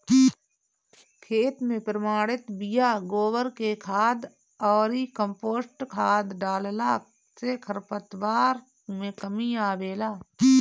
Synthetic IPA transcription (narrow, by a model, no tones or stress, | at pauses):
kʰeːt̪mẽpɾəmaːɽɪt̪bɪjaːɡoːwəɾkekʰaːd̪ | ɔːɾikə̃mpoːsʈkʰaːd̪ɖaːllaː | sekʰəɾpət̪waːɾ | mẽkəmiaːʋeːlaː